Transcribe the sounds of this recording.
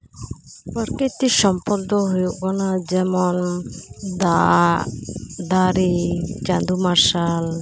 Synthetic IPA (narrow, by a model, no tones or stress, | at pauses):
pɔɾkit̪iʃɔmpɔd̪ɔɦojuʔkɔnad͡ʒɛmɔn | d̪a | d̪aɾit͡ʃand̪umaʃal